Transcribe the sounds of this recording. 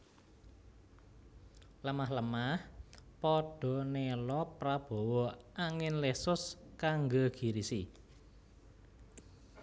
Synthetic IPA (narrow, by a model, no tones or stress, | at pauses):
ləmaɦləmahpɔɖ̥ɔ̤nelɔpɾab̥ɔ̤wɔaŋɪnlesʊskaŋɡoɡ̥i̤ɾisi